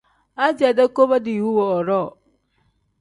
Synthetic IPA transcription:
a˦d͡ʒi˨a˨da˦ko˦ba˦di˨wu˦wɔ˨ɔ˨ɾɔ˦˨

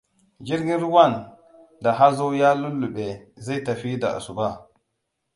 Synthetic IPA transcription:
d͡ʒi˦ɾɡi˦n˦ɾu˦wa˦˨n | da˨ɦa˦zo˦wja˦lu˦lːu˨ɓe˨za˦jta˨fi˦da̰˨a̰˨su˨ba˦˨

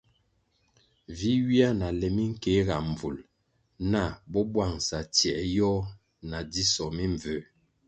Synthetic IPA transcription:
vi˦wi˦a˦na˨lɛ˨mi˦ŋ̩˦ke˦ɣa˨m˨vu˨l | na˦˨bɔ˦bwa˦˨ŋsa˨tjɛ˨ʔjɔ˦ | na˨di˦sɔ˨mi˦ɱ˨və˨˦

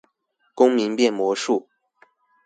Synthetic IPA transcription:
kʊ˥ŋmi˧˥ŋpjɛ˥˩nmwɔ˧˥ʂu˥˩

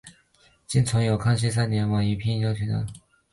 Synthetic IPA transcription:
t͡ɕi˥˩nt͡sʰʊ˧˥ŋjo˨˩ʊkʰɑ˥˧ŋɕ̬i˥˧s̬a˥˩njɛ˧˥nwa˨˩i˧˥pʰjɛ˥njɑ˥ʊt͡ɕʰy˧˥na̰˧˩

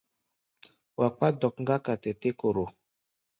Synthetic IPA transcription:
wa˨k͡pa˦dɔ˨kŋ̩˦ɡa˦ka˨tɛ˨te˦ko˨ɾo˨

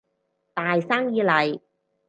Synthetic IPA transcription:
t̪aː˨jsaː˥ŋjiː˨˧lɐ˨j

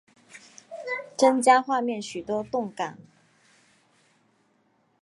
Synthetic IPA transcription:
ʈ͡ʂə˥nt͡ɕja˥xwa˥˧mjɛ˥˩nɕy˨˩t̪wɔ˥t̪ʊ˥˨ŋka˨˩˦n

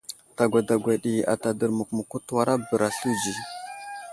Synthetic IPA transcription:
ta˨ɡʷa˨da˨ɡʷa˨ɗi˨a̰˨ta˨də˨ɾmu˨kmu˨ku˦twa˦ɾa˦bə˨ɾa˨ɬu˦d͡ʒi˨

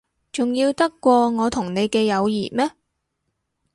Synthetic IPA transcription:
t͡sʊ˨ŋjiː˧wt̪ɐ˥kːʷɔː˧ŋɔː˨˧t̪ʰʊ˨˩ŋne˨˧jkɛː˧jɐ˨˧wjḭː˨˩mɛː˥

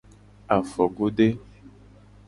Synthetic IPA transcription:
a˨fɔ˨ɡo˦ɖe˦

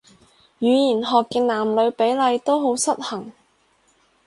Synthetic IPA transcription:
jyː˨˧jiː˨˩nɦɔː˨kːɛː˧naː˨˩mlɵ˨˧ɥpe˨˥jlɐ˨˧jt̪o˥wɦo˨˥wsɐ˥t̚hɐ˨˩ŋ

